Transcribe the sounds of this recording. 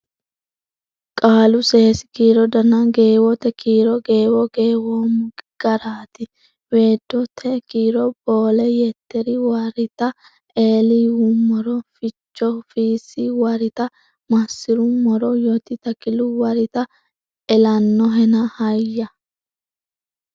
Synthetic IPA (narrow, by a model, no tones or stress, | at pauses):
kʼaːlʊseːsɪ̥kiːɾɔd̪ɐnɐɡe̞ːwɔt̪ɛkiːɾɔɡe̞ːwɔɡeːwoːmʊɡɪɡ̥ɐɾaːt̪ɪ | we̞ːd̪ːɔt̪ʰɛkiːɾɔb̥oːlɛjɛt̪ːɛɾɪwɐɾɪt̪ɐ | ʔeːlɪumɔɾɔfɪt͡ʃːɔfiːsɪwɐɾɪt̪ɐ | mɐsːɪɾʊmɔɾɔjɔt̪ɪt̪ɐkɪlʊwɐɾɪt̪ɐ | ɛlɐnːɔɦɛnɐhɐjɐ